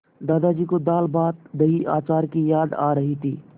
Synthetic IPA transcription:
d̪aːd̪ad͡ʒikod̪aːlbaːt̪d̪əɦiʔa̰ːt͡ʃaːɾkijaːd̪a̰ɾəɦit̪ʰiː

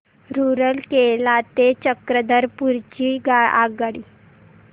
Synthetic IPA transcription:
ɾuɾəlkelat̪et͡ɕəkɾəd̪əɾpuɾt͡ɕiɡaa̰ɡaɽi

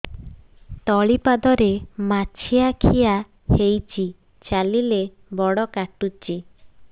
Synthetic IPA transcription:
t̪ɔɭipad̪ɔɾemat͡ʃʰiakʰija | hejt͡ʃʰi | t͡ʃalile | bɔɽɔkaʈut͡ʃi

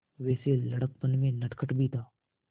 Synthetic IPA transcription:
ʋɛːselɐɽək̚pənmẽnɐʈkʰəʈbʱit̪ʰaː

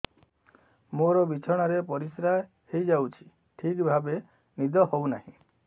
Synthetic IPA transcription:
moɾɔbit͡ʃʰɔɽ̃ɔɾepɔɾisɾa | hejd͡ʒawt͡ʃʰi̥ | ʈʰikbʱabe | nid̪ɔhownaɦĩ

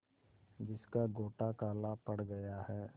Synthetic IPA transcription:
d͡ʒɪskaɡoːʈakaːlapɐɽɡɐjaɦɛː

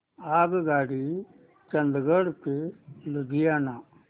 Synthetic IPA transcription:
aːɡɡaːɽi | t͡ʃənd̪ɡəɽt̪elud̪ijaːnaː

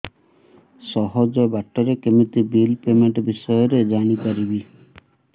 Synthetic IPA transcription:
sɔɦɔd͡ʒɔbaʈɔɾekemit̪ibilpemeɳʈɔbisɔjɔɾed͡ʒaɽ̃ipaɾibi

